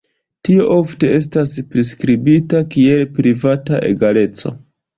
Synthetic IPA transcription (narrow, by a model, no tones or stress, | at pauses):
tio̞ʔo̞fte̞e̞s̬taspɾiskɾibitakie̞lpɾivataʔe̞̰ɡale̞t͡so̞̰